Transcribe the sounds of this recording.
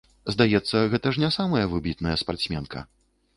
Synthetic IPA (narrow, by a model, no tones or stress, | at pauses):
zd̪ajɛt̪sːɐɣɛt̪ɐʐnʲasamɐjɐvɨbʲit̪nɐjɛspart̪sʲmʲɛnkʰɐ̰